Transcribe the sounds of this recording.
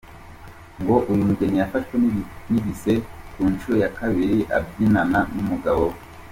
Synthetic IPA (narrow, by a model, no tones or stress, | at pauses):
ŋɡo̞ʔujumuɡenijafaʃweniβisekuːnt͡ʃuɾo̞jakaβiɾiʔa̰b̚ɡinananumuɡaβo